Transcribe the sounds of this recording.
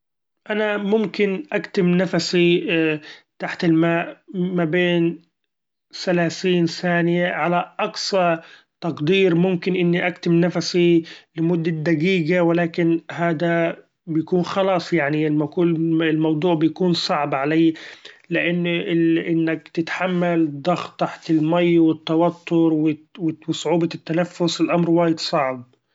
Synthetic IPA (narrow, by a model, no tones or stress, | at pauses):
ʔanamʊmkɪnʔakt̪ɪmnafasi | t̪aħt̪ɪlmaːʔmabeːn | salaːθiːnθaːnɪjaʕalaʔɑksˤɑ | t̪ɑqd̪iːɾmʊmkɪnʔɪnːiʔakt̪ɪmnafasilɪmʊd̪ːad̪aɡiːɡawɪlaːkɪnɦaːd̪a | bɪjakuːnxɑlɑːsˤjaʕnimakuːɪlmɑwd̪ˤuːʕbɪjakuːnsˤɑʕbʕaleːlɪʔɪnːʔɪʔɪnːakt̪ɪt̪ħamːald̪ˤɑxt̪ːaħt̪ɪlmajːwɪt̪ːɑwat̪ʰːʊɾwɪwɪwɪsˤʊʕuːbɑt̪ːanafːʊsɪlʔamɾwaːjɪd̪sˤɑʕb